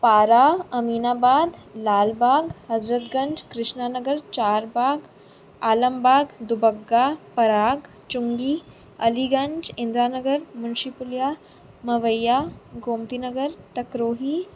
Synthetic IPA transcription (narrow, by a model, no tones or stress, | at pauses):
paːɾaɐmiːnaːbaːd̪laːlbaːɡhɐzɾət̪ɡə̃ɲd͡ʒkɾɪʂnaːnəɡəɾt͡ʃaːɾbaːɡ | aːləmbaːɡd̪ubəɡːapɐɾaːɡ | t͡ʃuŋɡiː | ɐliɡəɲd͡ʒɪnd̪ɾaːnəɡəɾmunʃipulja | mɐʋəjːaɡoːmt̪inəɡəɾt̪ɐkɾoːɦiː